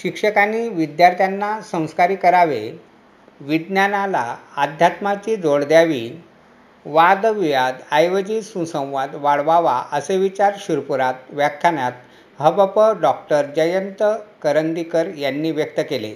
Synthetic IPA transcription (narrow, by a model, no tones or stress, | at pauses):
ɕikʂəkaniːʋid̪jaɾt̪ʰjanːasə̃w̃skaɾiːkəɾaʋe | ʋid̪njanalaːd̪ʱjat̪mat͡ɕid͡zoɽd̪jaʋiː | ʋad̪əʋiʋad̪ajʋəd͡ʑiːsũsə̃w̃ʋad̪ʋaɽʋaʋaəseʋit͡ɕaɾɕuɾpuɾat̪ʋjakʰjanjat̪ | ɦəbəpəɖɔk̚ʈəɾd͡ʑəjənt̪əkəɾənd̪ikəɾjanːiːʋjək̚t̪əkelḛ